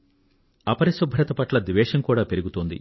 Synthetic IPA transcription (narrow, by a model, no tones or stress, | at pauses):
ɐpɐɾɐsɐbʱɐɾɐt̪ɐpɐʈlɐd̪iʋɛːʃɐŋkuːɽaːpe̞ɾuɡut̪oːnd̪ḭ